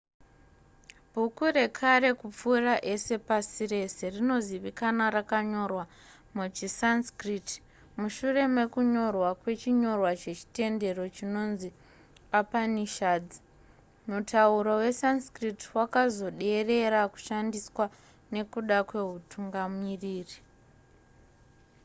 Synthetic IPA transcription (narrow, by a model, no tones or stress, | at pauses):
bʱukure̞kʰaɾe̞kup͡furaʔe̞se̞pasiɾe̞se̞rino̞ziʋikanarakaɲo̞rwa | mud͡ʒisanskrit | muʃure̞me̞kuɲo̞rwakwe̞t͡ʃiɲo̞rwat͡ʃe̞t͡ʃi̥te̞nde̞ro̞t͡ʃino̞nzi | apaniʃaːd͡zi | mutʰauɾowe̞sanskritwakazo̞ɗe̞re̞ɾaku̥ʃandiswa | ne̞kuɗakwe̞ɦutʰuŋɡamiriːri